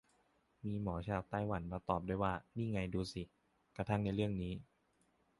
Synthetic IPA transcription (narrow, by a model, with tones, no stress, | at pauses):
miː˧mɔː˩˦t͡ɕʰaː˧wt̪aː˥˩jwa˩˦nmaː˧t̪ɔː˨˩p̚du˥˩˨jwaː˥˩niː˥˩ŋa˧jduː˧si˨˩ | kɾa˧t̪ʰa˥˩ŋna˧jɾɯ˥˩əŋniː˦˥